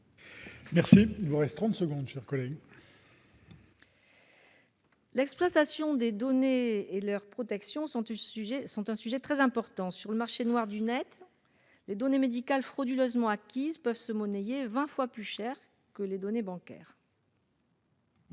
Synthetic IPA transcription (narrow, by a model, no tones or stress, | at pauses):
mɛʁsiilvuʁɛst̪ːχɑ̃t̪səɡɔ̃d̪ʃɛʁkɔlɛɡ | lɛksplwat̪asjɔ̃d̪ed̪ɔneːlœʁpχɔt̪ɛksjɔ̃yʒɛsɔ̃t̪ɛ̃syʒɛt̪χɛzɛ̃pɔʁt̪ɑ̃syʁləmaʁʃenwaʁd̪ynɛt̪ | led̪ɔnemed̪ikalfχɔd̪yløzmɑ̃akʲizpœvsəmɔnejevɛ̃fwaplyʃɛʁ | kəled̪ɔnebɑ̃kʲɛ̰ːʁ